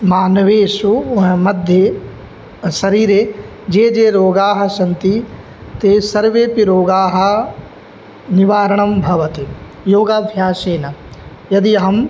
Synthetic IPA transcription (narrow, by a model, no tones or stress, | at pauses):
maːnɐʋeːʃuɦmɐd̪ʱje | sɐɾiːɾeː | d͡ʒeːd͡ʒeːɾoːɡaːɦɐ̆sɐnt̪i | t̪eːsɐɾʋeːpiɾoːɡaːɦɐ̆ | nɪʋaːɾɐɳ̃ɐmbʱɐʋɐt̪e | joːɡaːbʱjaːʃeːnɐ | jɐd̪iɦɐm